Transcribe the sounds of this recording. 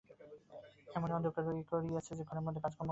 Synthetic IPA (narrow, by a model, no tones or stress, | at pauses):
ɛmoneɔd̪okeɾoɡikoɾiat͡ɕʰed͡ʑekʰoneɾmod̪ʱːekad͡ʑkɔɾm